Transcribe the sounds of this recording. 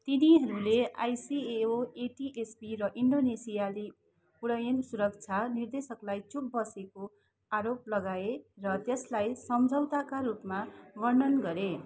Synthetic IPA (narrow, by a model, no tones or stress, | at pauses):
t̪iniɦʌɾulea̰jsieoeʈiʔespirʌʔiɳɖonesijali | puɽʌjʌnsuɾʌkt͡sʰanird̪esʌklajt͡suk̚bʌseko | aɾop̚lʌɡaerʌt̪eslajsʌmd͡zʱʌwt̪akaɾupmaɡʌrɖʌnɡʌɾe